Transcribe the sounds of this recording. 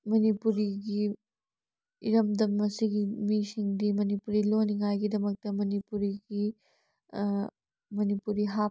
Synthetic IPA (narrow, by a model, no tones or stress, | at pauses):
mɐnipuɾiɡi | iɾɐmd̪ɐmɐsiɡimisiŋdimɐnipuɾiloniŋajɡidɐmɐk̚tɐmɐnipuɾiɡi | mɐnipuɾiɦa